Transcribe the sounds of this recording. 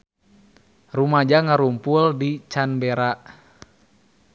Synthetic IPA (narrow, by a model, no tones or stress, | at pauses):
rumad͡ʒaŋaɾumpuldit͡ʃanbɛɾa